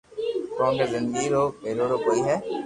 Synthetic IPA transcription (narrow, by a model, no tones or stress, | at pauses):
kɔ̃ːnkezɪ̃nd̪əɡiɾoːeɾoɾokoːiɦɛː